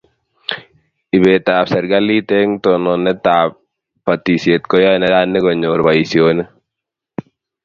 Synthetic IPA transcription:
i˨be˨ta˨psɛ˨ɾɡali˦tɛ˦ŋt̪ɔnɔnɛ˦taːp | pat̪i˨sje˨t̪̚kɔ˦jɔ˦ɛnɛ˦da˦nːɪ˦kɔ˨ɲoɾba˨isjonɛ˦

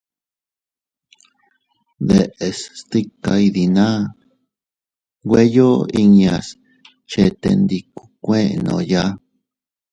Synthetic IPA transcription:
ðe˨ʔe˨˧sst̪i˦ka˧i˧ði˧nã˦ | ɡʷwe˦jo˦i˧ɲa˧s | t͡ʃe˧t̪e˧nd̪i˧ku̥˧kʷẽ˦ʔnõ̰˧˨ja˦

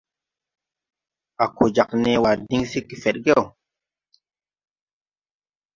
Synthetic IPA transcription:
a˨ko˨d͡ʒa˨kne˨wa˨di˦ŋsi˦kːi˨fɛ˨ɗɡe˦˨w

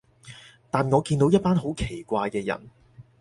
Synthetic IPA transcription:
t̪aː˨nŋɔː˨˧kiː˧nt̪o˨˥wjɐ˥t̚paː˥nɦo˨˥wkʰe˨˩jkʷaː˧jkɛː˧jɐ̰˨˩n

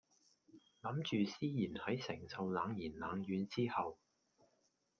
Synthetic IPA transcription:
lɐ˨˥mt͡ʃyː˨siː˥jiː˨˩nhɐ˨˥jsɪ̰˨˩ŋsɐ˨wlaː˨˧ŋjiː˨˩nlaː˨˧ŋjyː˨˧nt͡siː˥hɐ˨w

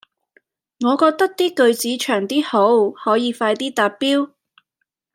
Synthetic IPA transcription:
ŋɔː˨˧kɔː˧k̚t̪ɐ˥k̚t̪iː˥kɵ˧ɥt͡siː˨˥t͡ʃʰœː˨˩ŋt̪iː˥ho˨˥whɔː˨˥jiː˨˧faː˧jt̪iː˥t̪aː˧t̚piː˥w

